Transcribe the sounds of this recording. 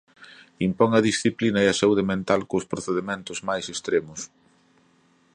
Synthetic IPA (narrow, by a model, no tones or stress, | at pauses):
impɔŋɐðisθiplinɐeɐsauð̞emẽnt̪alkʊspɾoθeðemẽnt̪ʊzmajsest̪ɾemʊs